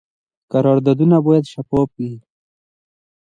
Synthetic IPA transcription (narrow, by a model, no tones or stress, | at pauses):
kaɾɑːɾd̪ɑːd̪unaboːjad̪ʃapoːpi